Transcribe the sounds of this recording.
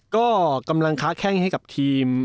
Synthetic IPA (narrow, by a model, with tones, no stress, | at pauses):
kɔː˥˩ka˧mla˧ŋkʰaː˦˥kʰɛː˥˩ŋha˥˩jka˨˩p̚t̪ʰiː˧m